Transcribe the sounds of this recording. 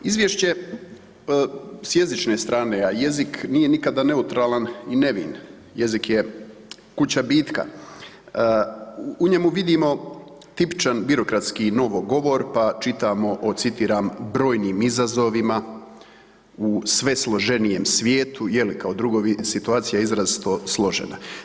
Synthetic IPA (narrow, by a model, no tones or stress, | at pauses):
izʋjeʃt͡ɕe̞ | sje̞zit͡ʃnest̪ɾaːne̞aje̞ziknije̞nikad̪ane̞ut̪ɾaːlanine̞ʋḭn | je̞zikje | kut͡ɕabiːt̪ka̰ | uɲemuʋid̪imo̞ | t̪ipt͡ʃanbiɾo̞kɾat̪skino̞ʋoɡo̞ʋo̞ɾpat͡ʃit̪aːmo̞ʔot̪sit̪iːɾaːmbɾo̞ːjniːmizazo̞ʋima | usʋe̞slˠo̞ʒe̞nije̞msʋjeːt̪ujelikaod̪ɾuɡoʋisit̪uaːt̪sijaizɾazit̪oslˠo̞ʒḛna̰